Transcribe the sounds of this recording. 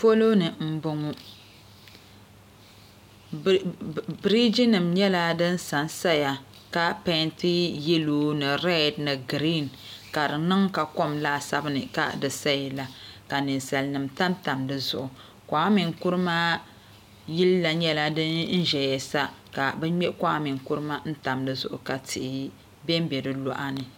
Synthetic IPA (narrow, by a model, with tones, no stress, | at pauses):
fo˦lo˦nɨ˨m̩˦bʊ˦ŋu˦ | bɾi˦d͡ʒi˦nɨ˨mɲɛ˦la˦dɨ˦n˦sa˨nsa˦ja˨ | ka˦pɛ˦nti˦jɛ˦loː˦nɨ˨ɾɛ˦˨dnɨ˨ɡɾi˦n | ka˨dɨ˨nɨ˦ŋka˨ko˦mlaː˦sa˦bɨ˦nɨ˨ka̰˦dɨ˨sa˦ji˨la˨ka˨nɨ˨nsa˨lnɨ˨mta˦mta˨mdɨ˦zʊ˨ʔʊ˨ | kʷa˨˦a˦mi˨ŋku˦ɾɨ˦maː˦ | ji˦lːa˨ɲɛ˦la˦dɨ˦n̩˦ʒɛ˨jɛ˨sa˦ka˨bɛ˦ɲɛ˦ka˦a˦mi˨ŋku˦ɾɨ˦ma˦n̩˦ta˨mdɨ˦zʊ̰˦˨ʔʊ̰˨ka˨tʰɪ˨ʔɪ˨ | bɛ˦m˦bɛ˨dɨ˦lɔ˦ʔa˦nɨ˨